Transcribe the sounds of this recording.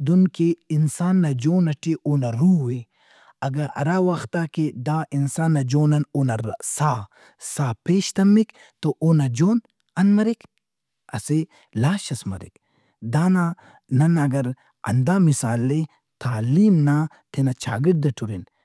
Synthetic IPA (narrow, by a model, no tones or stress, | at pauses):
d̪unkeinsaːnːɐd͡ʒoːnɐʈʰiʔoːnɐɾuwe | ɐɡɐɾɐ̰ɾaːwɐxt̪aːked̪aːʔinsaːnːɐd͡ʒoːnɐnoːnɐsaː | saːpeːʃt̪ɐmːik | t̪oʔoːnɐd͡ʒoːn | ɐnmɐɾik | ɐse | laːʃɐsmɐ̰ɾḭk | d̪aːna | nɐnɐɡɐɾ | ɐ̰nd̪aːmisaːlːe | t̪ʰaːliːmna | t̪ʰenɐt͡ʃʰa̰ːɡiʈ̚d̪ɐʈʰuɾin